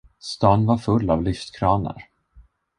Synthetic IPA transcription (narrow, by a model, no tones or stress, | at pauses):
st̪ɑːnvaɾfɵlːavlʏft̪kʰɾɑːnə̰ɾ